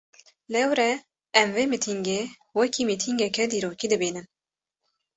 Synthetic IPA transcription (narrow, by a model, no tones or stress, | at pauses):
lɛwɾɛ | ɛmveːmit̪ʰiŋɡeː | wɛkʰiːmit̪ʰiŋɡɛkɛd̪iːɾoːkiːd̪ɨbiːnɨm